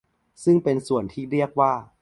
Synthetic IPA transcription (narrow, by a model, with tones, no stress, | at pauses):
sɯ˥˩ŋpe˧nsu˨˩ənt̪ʰiː˥˩ɾi˥˩ək̚waː˥˩